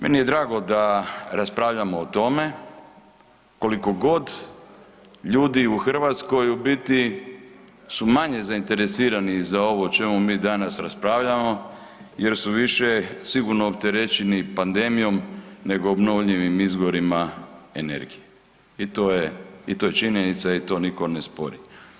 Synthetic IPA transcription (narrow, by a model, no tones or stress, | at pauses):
me̞̰nije̞d̪ɾaːɡo̞d̪aɾaspɾaːʋʎamoːt̪o̞me̞ | ko̞liko̞ɡo̞d̪ | ʎuːd̪iuxr̩ʋat̪sko̞jubit̪i | sumaɲe̞zaint̪e̞ɾe̞siːɾanizao̞ʋo̞t͡ʃe̞mumiːd̪anasɾaspɾaʋʎamo̞ | je̞ɾsuʋiʃesiɡuɾnoːp̚t̪e̞ɾet͡ʃenipand̪e̞mijo̞mne̞ɡoːbno̞ʋʎiʋimizɡoɾimaene̞̰ɾɡije | it̪oːjeit̪oje̞t͡ʃiɲenit̪sait̪o̞ːniko̞nespo̞̰ɾi